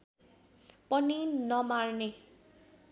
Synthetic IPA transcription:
pʌninʌmarne

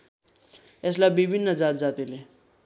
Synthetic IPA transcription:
eslabibʱinːəd͡zat̪d͡zat̪ile

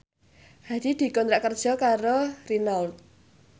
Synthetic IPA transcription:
had̪̥id̪̥i̤kɔnt̪ɾaʔkərd̥ʒ̥ɔ̤kaɾorinɔlt̪̚

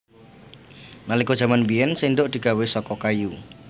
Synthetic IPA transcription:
nalikɔ̥ʒ̥a̤manbiɛnsind̪ʊʔd̪̥i̤ɡ̥awesɔkɔkaju

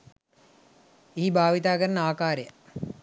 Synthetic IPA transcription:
iɦibʱaːʋit̪aːkəɾənəaːkaːɾəjə

